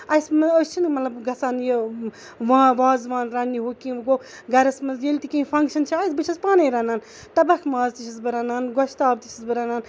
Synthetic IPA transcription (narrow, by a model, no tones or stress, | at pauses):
ɐjsmɐost͡ʃʰinmɐt̪lɐbɡɐsaːnje | ʋãːʋaːzʋãːnɾɐːniɦokĩɡo | ɡɐɾɐsmɐzjelt̪ikipʰɐŋkʃɐnt͡ʃʰiajsbɨt͡ʃʰɐspaːnɐɾɐːnaːn | t̪ɐbɐkʰmaːzt̪it͡ʃʰisbɨɾɐnaːnɡoʃt̪aːbt̪it͡ʃʰisbɨɾanaːn